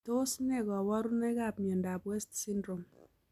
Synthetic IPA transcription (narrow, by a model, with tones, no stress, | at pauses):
to˦snɛ˦kɔ˨wɔ˦ɾu˦ne˦ka˨pmiɛ˨nda˨pwɛ˦stsi˦ndɾo˨m